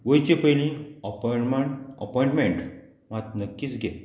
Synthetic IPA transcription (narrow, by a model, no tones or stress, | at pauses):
ʋəjt͡ɕepəjlĩəpmaə̰pɔjɳʈmẽɳʈ | mat̪̚nəkːiːt͡sɡʱe